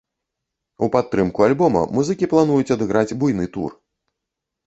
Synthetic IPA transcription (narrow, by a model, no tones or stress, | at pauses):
upat̪ːɾɨmkualʲbɔmɐ̰muzɨkʲiplˠan̪ujut͡sʲɐd̪ɨɣɾʔad͡zʲbujnɨt̪ṵr